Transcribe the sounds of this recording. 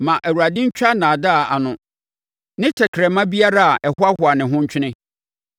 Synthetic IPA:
mã˨ʔæ˨wu˨ɾa˨dɪ̃˦ɲ̩˦t͡ɕᶣa˦nãː˨da˦a˨a˨nʊ̃˨ | nɪ̃˦tʰɛ˨kʰɾɛ˨mã˦bi˦a˦ɾa˦a˨ʔɛ˨hʊ˦a˦hʊ˨a˨nɪ̃˨ɦʊ̃˦ɲ̩˦t͡ɕᶣʰɪ˦nɪ̃˦

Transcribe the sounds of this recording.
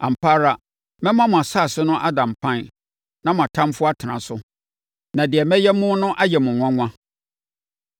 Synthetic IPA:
ã̰˨m̩˨pʰa˦ɾa˦ | mɛ̃˦mã˦mʊ̃˨a˨sa˦˨sɪ˦nʊ̃˦ʔa˦dã˨m̩˨pʰã˦n | nã˦mʊ̃˨a˨tʰã˦m˦fʊ˦a˦tʰɪ˨nã˨sʊ˦ | nã˨dɪ˨ɛ˨mɛ̃˦jɛ˦mʊ̃˦nʊ̃˦ʔa˦jɛ˨mʊ̃˨ŋʷã˦ŋʷã˦

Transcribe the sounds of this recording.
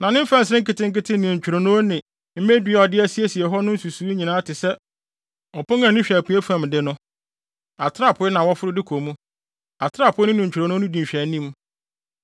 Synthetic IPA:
nã˨nɪ̃˦m̩˦fã˦n̩˨sɪ˦ɾɪ̃˦ŋ˦kɪ˦tɪ̃˦ŋ̩˦kɪ˦tʰɪ̃˦nɪ̃˨ɲ̩˨t͡ɕᶣu˨ɾo˨nõː˦nɪ̃˨ | m̩˦mẽ˦di˦ɛ˨ɔ˨dɪ˦æ˦si˦e˦si˨ɛ˨ɦɔ˦nʊ̃˦n̩˦su˨su˨i˦ɲĩ˨nãː˦tʰɪ˨sɛ˦ | ɔ˨pʊ˦ŋ˦ã˦˨nʊ̃˦ɕᶣæ˨pʰu˨˦e˦fã˨mdɪ˦nʊ̃˦ | a˨tʰɪ˦ɾa˦˨pʰʊ˦ɛ˦nã˨wɔ˦fʊ˦ɾʊ˦dɪ˦kʰo˨mũ˦ | a˨tʰɾa˦˨pʰʊ˦ɛ˦nɪ̃˦nʊ̃˨ɲ̩ᶣ˨ɾã˨nõ˦nʊ̃˦dĩ˨ɕᶣæ˨˦nĩ˦m

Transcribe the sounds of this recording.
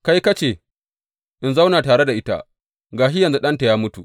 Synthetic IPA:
ka˦jkɐ˦t͡ʃeː˨ | ʔɪ˨nza˦wnaː˨taː˨ɽe˦da˨ʔɪ˦ta̰˦ | ɡaː˨ʃɪ˦jɐ˨nzu˦ɗɐ˦nta˨jaː˦mʊ˦tu˨ʔ

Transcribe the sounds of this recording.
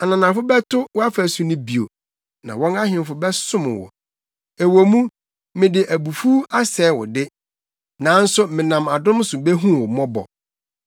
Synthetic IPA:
a˨nã˨nã˨fʊ˦bɛ˦tʰʊ˦wɔ˦a˦fæ˨su˦nʊ̃˦bi˨o̰˨ | nã˨wɔ̃˦na˦ɦɪ̃˨m˨fʊ˨bɛ˦sʊ̃˦mʊ̰̃˨wɔ̰˨ | e˨wo˨mũ˦ | mɪ̃˨dɪ˨ʔæ˨bu˨fu˦a˦sɛː˨˦wɔ̰˨dɪ˦ | nã˨˦n̩˦sʊ˦mɪ̃˨nã˨ma˨dʊ̃˦m˦sʊ˨be˦ɦũ˦wɔ˨mɔ̃˦bɔ̰˨

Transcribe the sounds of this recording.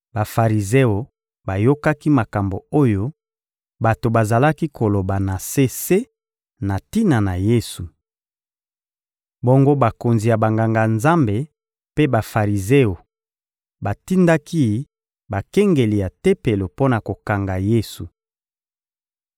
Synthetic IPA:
ba˨fa˨ʁi˨ze˦o˨ | ba˨jo˦ka˦ki˦ma˨ka˨mbo˨o˦jo˦ | ba˨to˨ba˨za˨la˦ki˦kʰo˨lo˨ba˨na˨se˦se˦ | na˨ti˦na˨na˨je˦su˨ | bo˦ŋɡo˦ba˨ko˨nzi˨ja˨ba˨ŋɡa˨ŋɡa˨nza˦mbe˨ | pe˦ba˨fa˨ʁi˨ze˦o˨ | ba˨ti˦nda˦ki˦ | ba˨kɛ˦ŋɡe˨li˨ja˨te˦pe˨lo˨po˦na˨ko˨ka˨ŋɡa˨je˦su˨

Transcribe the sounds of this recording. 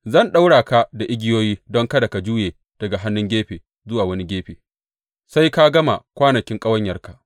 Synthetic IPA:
zɐ˦˨nɗa˦wɽaː˨ka˦da˨ʔɪ˦ɡʲɪ˦joː˦jiː˦dɔ˦ŋkɐ˦da˨ka˨d͡ʒuː˦jeː˨ | d̥ɐ˨ɡa˨ɦa˦nːʊ˦ŋɡʲeː˦ɸeː˨ | zʊ˦waː˨wɐ˦ni˦ɡʲeː˦ɸeː˨ | sa˦jka˦ɡɐ˦ma˨kʷaː˦nɐ˨kʲɪ˦ŋkʼɐ˦wɐ˦ɲjɐ˨rka˨ʔ

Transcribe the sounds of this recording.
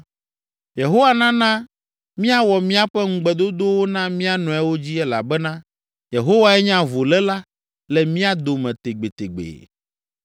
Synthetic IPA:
je˨ɦo˦wa˦nã˦nã˦ | mĩ˦a˦wɔ˨mĩ˦a˦ɸɛ˦ŋ̩˦ɡ͡bɛ˨d̪o˦d̪o˦wo˦nã˦mĩ˦a˦nɔ̃˨ɛ˦wo˦d͡ʑi˦ɛ˦la̰˨bɛ˦nã˦ | je˨ɦo˦wa˦ɛ˦ɲã˦vo˨lɛ˦la˦ | lɛ˨mĩ˦a˦d̪o˨mɛ̃˨t̪e˨ɡ͡be˨t̪e˨ɡ͡bḛ˨

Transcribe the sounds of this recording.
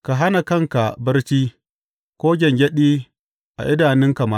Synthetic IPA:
ka˨ɦa˦na˨kɐ˦ŋka˨bɐ˦rt͡ʃiː˦ | kʷoː˦ɡʲɛ˨ŋɡʲɛ˦ɗiː˦ | ʔa̰˨ʔɪ˦daː˨nɪ˦ŋka˨ma˦˨

